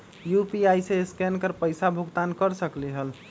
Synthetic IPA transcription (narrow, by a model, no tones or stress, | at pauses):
jupiajsẽskɛnkəɾpəjsabʱuɡt̪ankəɾsəklɛɦəl